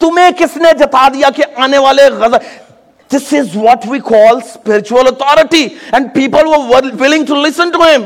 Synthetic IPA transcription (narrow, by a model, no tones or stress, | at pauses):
t̪ʊmẽkɪsned͡ʒɐt̪ad̪ijakeʔaːneʋaːleɣɐzə | d̪ɪsɪzʋɔʈʋikʰɔːlspɪɾɪt͡ʃuələt̪ʰɔːɾɪʈiɛ̃ɳɖ̚piːpəlʋəɾwɪlɪ̃ŋɡʈulɪsə̃nʈuɦɪ̃m